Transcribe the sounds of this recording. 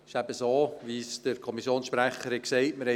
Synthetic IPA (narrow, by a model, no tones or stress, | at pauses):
ɪʃæb̥əsoːʋisd̥əɾkʰɔmisjoːnsʃpɾæχəɾɛksɛɪtməɾhɛ